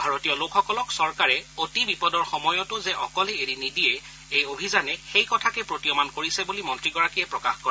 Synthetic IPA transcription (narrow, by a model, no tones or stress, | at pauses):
bʱaɹotijɔlokʰxɔkɔlɔksɔɹkaɹɛotibipɔdɔɹxɔmɔjɔtʊzɛʔɔkɔlɛeɹinidiɛ | ejobʱizanɛxejkɔtʰakɛpɹotijɔmankoɹisɛbulimɔntɹiɡɔɹakijɛpɹɔka̰xkɔɹɛɛ